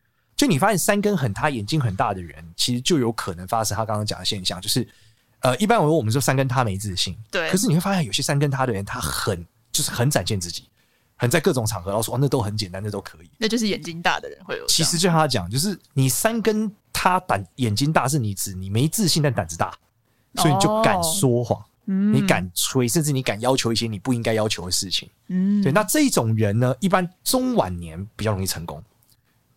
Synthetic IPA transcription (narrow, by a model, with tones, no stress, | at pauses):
t͡ɕjo˥˩˥ni˨˩fa˦˥ɕjɛ˥˩nsa˥nkə˥nxə˨˩nt̪ʰa˥jɛ˨˩nt͡ɕi˥ŋxə˨˩nt̪a˥˩d̪ə˩ɻə̰˧˦nt͡ɕʰi˧˥ʂɻ̩˧t͡ɕjo˥˩jo˧˥ʊkʰə˨˩nə˧˦ŋfa˦ʂə˥nt̪ʰa˥kɑ˥ŋkɑ˥ŋt͡ɕjɑ̰˨˩d̪ə˩ɕjɛ˥˧nɕjɑ̰˥˨ŋt͡ɕjo˥˧ʊʂɻ̩˥˩ | ə˧ʔi˥˩pa˥nwwwɔ˨m˦˩˥s̬a˥nkə˦nt̪ʰa˥˦me˧ɪt͡sɹ̩˥˩ɕi˥˩ŋt̪we˥˩˨ʂ̬̩˥˩˨we˥˩a˥ɕjɕjɛ˦˥sa˥nkə˥nt̪ʰa˥d̪ə˨ɻə˧˦nt̪ʰa˦˥xə˨˩n | t͡ɕjo˥˧ʊʂɻ̩˥˩xə˨˧˦nt͡sa˨˩nɕjɛ˥˧nt͡sɹ̩˥˩t͡ɕi̥˨˩˦ | hə˨˩nt͡sa˥˧ɪkɤ˥˩ʊ˨˩ŋt͡sʰɑ˨˩ŋxɤ˧˦lɑ˥˧ʊswn˥˨˩ət̪o˥xə˧˦nt͡ɕjɛ˨˩nt̪a˥nd̪ə˨t̪o˥ʊkʰɤ˧˦i˨˩˦na˥˧t͡ɕjo˥˧ʂɻ̩˥˩jɛ˨˩nt͡ɕi˥ŋt̪a̰˥˩d̪ə̰˩ɻə̰˦nxwe˥˩ɪjo̰˨˦t͡ɕʰi˧˥ʂɻ̩˧˥t͡ɕo˥˧˥a˥˧t͡ɕjɑ̰˨˩ŋ˦t͡ɕjo˥˧ʊʂ̬ɻ̩˥˩ni˨˩sa˦˥nkə˥nt̪ʰa˥t̪a˨˩njɛ˨˩nt͡ɕi˥ŋt̪a˥˧ʂ̬ɻ̩˥˩ni˨˩t͡sɹ̩˨˩˦ni˨˩me˧˥ɪt͡sɹ̩˥˧ɕi˥˧nt̪a˥˩nt̪a˨˩nt͡s̩˧t̪a̰˥˩ | sɔ˧˥i˨˧i˨t͡ɕjo˥˩˨ka̰˨˩nswɔ˥xwɑ̰˥˩ | ni˨˦ka̰˨˩nt͡sʰwe˧˥ɪʂ̬ə˥˧nʈ͡ʂɻ̩˥˩ni˨˦ka˨˩njɑ˥ʊt͡ɕʰjo˧˥ʊi˥˩ɕjɛ˦˥ni˨˩pu˥˩i˦˥ŋka˥ɪjɑ˥ʊt͡ɕʰo˧˥ʊd̪ə˨ʂɻ̩˥˩t͡ɕʰḭ˨˦ŋswi˨˩na˥˧ʈ͡ʂɤ˥˧i˥˩ʈ͡ʂʊ˨˩ŋɻə˨˧˦nnə˧˦ʔi˥˩p̬a˦nʈ͡ʂʊ˥ŋwa̰˨˩nnjɛ˧˦npi˨˩t͡ɕɑ˥˩ʊo˧ŋi˥˩t͡sʰɤ˧˦ŋkʊ̰˦˥ŋ